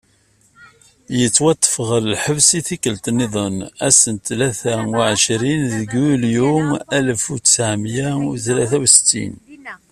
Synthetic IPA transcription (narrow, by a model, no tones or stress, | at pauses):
jət͡sːwɑt̪ˤːə̥fʁəɾəlħəvsiθikːəlt̪nːiðˤənæsənt̪læθæʕəʃɾinðəɡuljumæləfut͡ssʕmjæθlæθæwsə̥t̪ːḭn